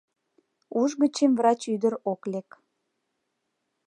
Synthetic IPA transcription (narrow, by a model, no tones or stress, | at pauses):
uʒɣət͡ɕemvrɑt͡ɕyd̪əɾoklek